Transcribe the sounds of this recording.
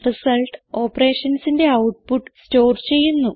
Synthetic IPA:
risɐlʈɨo̞ːpɐre̞ːʂɐnsinde̞ɐwʈ̚puʈːsto̞ːrt͡ɕe̞jːunːu

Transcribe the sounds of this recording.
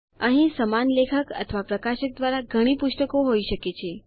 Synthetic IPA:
əɦĩsəmanlekʰəkə̰t̪ʰəʋapɾəkaʃək̚d̪ʋaɾaɡʱəɽ̃ipʊʃʈəkoɦoiʃəket͡ʃʰe

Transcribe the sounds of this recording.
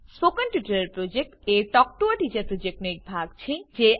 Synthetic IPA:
spokənʈjuʈɐɾeɾpɾod͡ʑek̚ʈeʈɔk̚ʈuaʈid͡ʑɐpɾod͡ʑek̚ʈneek̚bʱaɡt͡ɕʰid͡ʑe

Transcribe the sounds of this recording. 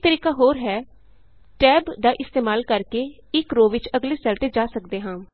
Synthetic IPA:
t̪əɾiːkaːɦoːɾɦɛː | ʈɛːbd̪aːʔɪst̪eːmaːlkəɾkeː | ɪkɾoːʋɪt͡ʃəɡleːsaːlt̪eːd͡ʒaːsəkd̪eːɦãː

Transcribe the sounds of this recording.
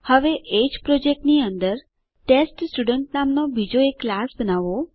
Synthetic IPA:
həʋeʔed͡ʒpɾɔd͡ʒek̚ʈniənd̪əɾ | ʈesʈsʈuɖəɳʈnamnobʱid͡ʒoekːlasbənaʋo

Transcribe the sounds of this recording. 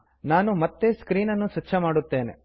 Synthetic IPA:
naːnumɐt̪ːeskɾiːnɐnːuʃɐt͡ʃːt͡ʃʰːɐmaːɽut̪ːe̞ːnḛ

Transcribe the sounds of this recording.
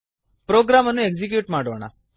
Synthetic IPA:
pɾoɡɾamənũeɡd͡ʑik̬juːʈmaɽəʋɳa̰

